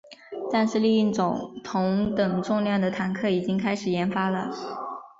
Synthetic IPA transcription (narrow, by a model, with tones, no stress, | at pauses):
t̪a˥˧nʂɻ̩˥˧li˥˧i˥˩t͡sʊ̰˨˩˦ŋt̪ʰʊ˧˥ŋt̪ɤ˨˩ŋʈ͡ʂʊ˥˧ŋljɑ˥˩ŋd̪ə˩t̪ʰa˧˥nkʰɤ˥˩i˨˩t͡ɕi˥ŋkʰa˥ɪʂɻ̩˨˩jɛ˧˥nfa˥lə̰˨